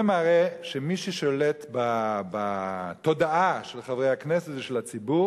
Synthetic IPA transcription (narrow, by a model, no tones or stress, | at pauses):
emaʁɛʃemiʃiʃolɛt̪babat̪od̪aaʃelχavʁejhaknɛsetvʃelat͡sibu